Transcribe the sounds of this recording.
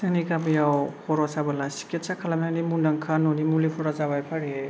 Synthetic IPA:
sɯŋnikamijawhʰɔɾɔsabalasi̥kʰet̚sakʰalamnaŋnimunaŋkʰanonimulipʰɔɾazaβajpʰaɾi

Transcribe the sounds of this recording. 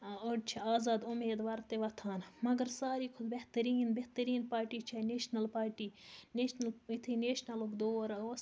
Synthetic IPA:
oɖt͡ʃʰiaːzaːd̪ʊmeːd̪ʋaɾt̪eʋɐt̪ʰaːnmɐɡɐɾsaːɾiːkʰʊd̪beht̪ɐɾiːnbeht̪əɾiːnpaːɾʈiːt͡ʃʰɐneːʃnɐlpaːɾʈiːneːʃnɐlit̪ʰineːʃnɐlokd̪oːɾʋɐs

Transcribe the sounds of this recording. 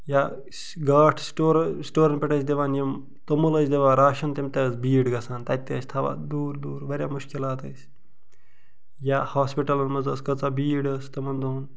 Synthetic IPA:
jaː | s | ɡaːʈʰsʈoːɾsʈoːɾɐnpʲeʈɐs̬ʲd̪eʋaːnjɐm | t̪ɐmɐlɐsʲd̪ʲeʋaːɾaːʃɐnt̪ɐmʲt̪ɐzbiːɖɡɐsaːnt̪ɐt̪ːiɐsʲt̪ʰɐʋa̰ːd̪uːɾd̪uːɾʋɐɾʲjaːmuʃkilaːt̪ɐsʲ | jaːhaːspiʈɐlɐnmɐzɐskɐt͡saːbiːɽɐsʲt̪ɐmɐnd̪un

